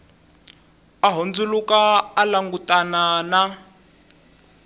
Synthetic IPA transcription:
aɦond͡zulukaːlaŋɡutʼanana

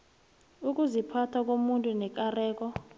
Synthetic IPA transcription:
uk̬ʼuzipʰatʰak̬ʼomuntʼunɛk̬ʼarɛːk̬ʼɔ

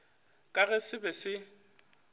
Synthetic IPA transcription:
kʼaɣɛsɪbɛsɪ

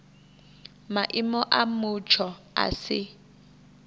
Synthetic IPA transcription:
maʔɪmɔʔamʊt͡ʃʰɔ | a̰sɪ

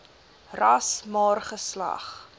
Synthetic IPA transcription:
rɐsmɑːrχəslɐ̰χ

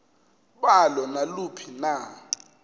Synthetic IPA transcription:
ɓalɔnalupʰina

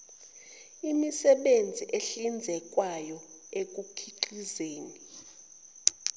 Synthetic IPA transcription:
imisɛɓend͡zʱiʔeɬind͡zʱɛk̬ʼwajɔ | ek̬ʼukʰiǃizeːni

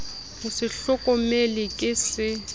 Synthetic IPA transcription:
hʊsɪɬɔkʼɔmelɪkʼɪsɪ

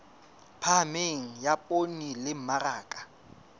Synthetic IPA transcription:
pʰameŋ̩japʼonilɪm̩maraːkʼḁ

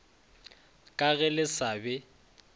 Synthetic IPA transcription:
kʼaɣɛlɪsabɛ

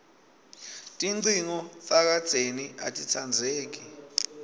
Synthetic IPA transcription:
tʼiǀiŋɔθak̬ḁt͡sʼenia̰tʼit͡sʰand͡zʱeːk̬i

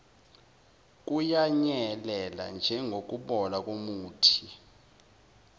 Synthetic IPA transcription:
k̬ʼujaɲɛlɛla̰nd͡ʒʱɛŋɡʱok̬ʼuɓɔlak̬ʼomuːtʰi

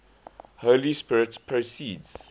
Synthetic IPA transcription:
holispɪɹɪtspʰɹosiːdz̥

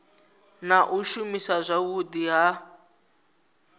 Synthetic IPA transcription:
naʔuʃumisazʷawudiɦa

